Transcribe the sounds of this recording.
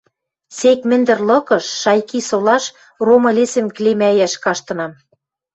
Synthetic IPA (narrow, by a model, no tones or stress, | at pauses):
sekmɘ̆nd̪ɘ̆rlɤ̆kɤ̆ʃːɑjkisolɑʃ | romɤ̆lesɘ̆mklemæjæʃkɑʃt̪ɤ̆nɑm